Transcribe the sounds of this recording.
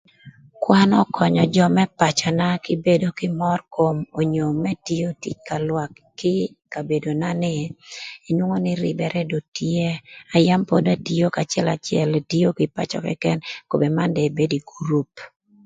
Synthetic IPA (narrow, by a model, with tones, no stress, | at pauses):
kwa˦nɔ˦kʰɔ˨ɲɔ˨d͡ʒɔ˦mɛ˦pa˨t͡ʃɔ˨na˦kɪ˦be˦do˨kɪ˦mɔrko˦mo˨ɲo˨mɛ˦ti˦o˦tḭ˦t͡ʃka˨lwa˨kːɪ˦ | ka˨be˨do˨na˦nɪ˨e˨nwo˦ŋo˦nɪ˦ɾɪ̰˨bɛ˨ɾʔɛ˦do˨tie˦a˨ja˦mpo˦da˦ti˦o˦ka˨t͡ʃɛ˦la˨t͡ʃɪɛ̰˦lti˦o˦kɪ˨pa̰˨t͡ʃɔ̰˨kɛ̰˦kɛ˦nko˨be˨ma˦ndɛ˨be˦di˨ɡu˨ɾu˦p̚